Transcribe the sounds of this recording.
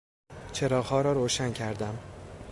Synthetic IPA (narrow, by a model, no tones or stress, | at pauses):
t͡ʃʰe̞ɾɒːɣhɒːɾɒːɾoːʃæncʰæɾd̪æm